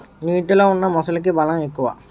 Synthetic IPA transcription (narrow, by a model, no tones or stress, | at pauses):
niːʈiloːunːɐmɔsɐlik̬ibɐlɐmekːuʋɐ̰